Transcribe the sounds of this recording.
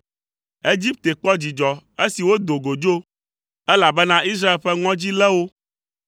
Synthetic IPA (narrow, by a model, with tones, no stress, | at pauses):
e˦d͡ʑi˦p̚t̪e˨k͡pɔ˦d͡ʑi˨d͡ʒɔ˨e˦si˨wo˦d̪o˨ɡo˨d͡ʒo˦ | ɛ˦la˨bɛ˦nã˦i˦s̬ɾa˦e˨lɸɛ˦ŋɔ̃˦d͡ʑi˦lɛ˦wo˦